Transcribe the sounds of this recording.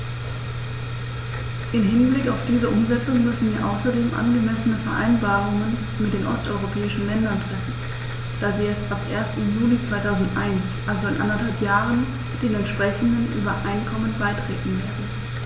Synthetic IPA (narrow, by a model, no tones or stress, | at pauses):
ʔɪmɦɪnblɪkaʊfd̥iːzəʔʊmzɛt͡sʊŋmʏsn̩viːɐʔa̰ʊsɐdeːmʔa̰nɡəmɛsənəfɛɐʔa̰ɪnbaːʁʊŋən | mɪtd̥eːnʔɔstʔɔʏʁopʰɛːɪʃn̩lɛndɐntʁ̥ɛfn̩ | d̥aːziːjɛt͡stapʔeːɐstn̩juːlit͡sv̥aɪtʰaʊzn̩tʔa̰ɪnsʔalzoɪnʔa̰ndɐthalpjaːʁən | ɪt̚d̥eːnɛntʃpʁ̥ɛçʊŋənʔy̰ːbɐʔaɪnkʰɔmənbaɪtʁ̥ḛːtn̩veːɐdn̩n̩